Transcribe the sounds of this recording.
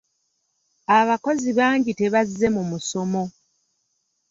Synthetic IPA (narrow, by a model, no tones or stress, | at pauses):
aβako̞ziβaːɲɟite̞βazːe̞mumuso̞mo̞